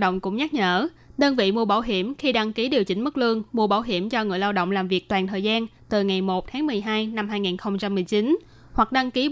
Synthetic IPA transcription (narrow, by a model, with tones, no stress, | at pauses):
ɗə̰˧˨wŋ͡mkʊ̰˧˥ŋ͡mɲa˦˥t̚ɲə̰ː˧˥ | ɗəː˧nvḭ˧˨mu˧əɓaː˧˩wɦi˧˩əmxi˧ɗa˧ŋki˨˦ɗi˨˩əwt͡ɕï˨˦ŋ̟mɨ˦˥k̚lɨ˧əŋmu˧əɓaː˧˩wɦi˧˩əmt͡ɕɔ˧ŋɨ̰˧˩əjlaː˧wɗo̰˧˨wŋ͡mlaː˨˩mvi˨˩ək̚t̪waː˨˩nt̪ʰəː˨˩jzaː˧n | t̪ɨ˨˩ŋa˨˩jmo˨˩t̚t̪ʰaː˨˦ŋmɨ˨˩əjɦaː˧jna˧mɦaː˧jŋiː˨˩nxə˧wŋ͡mt͡ɕa˧mːɨ˨˩əjt͡ɕi˨˦n | hwa˨˩k̚ɗa˧ŋki˨˦